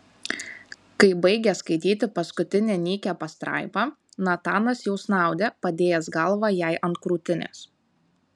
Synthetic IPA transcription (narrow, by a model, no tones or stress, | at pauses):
kɐɪbɐɪɡʲɛskɐɪt̪ʲiːt̪ʲɪpɐskʊt̪ʲɪnʲeːnʲiːkʲɛːpɐst̪ɾɑ̰ˑɪpɑː | nɐt̪ɑːnɐsjɛʊsnɑˑʊd̪ʲeːpɐd̪ʲeːjɛsɡɐlˠʋɑːjæˑɪʔɐnt̪̚kɾuːt̪ʲɪnʲḛːs